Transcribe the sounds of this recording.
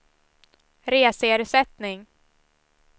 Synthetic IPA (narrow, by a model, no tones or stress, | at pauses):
ɾeːseːɾsɛt̪nɪŋ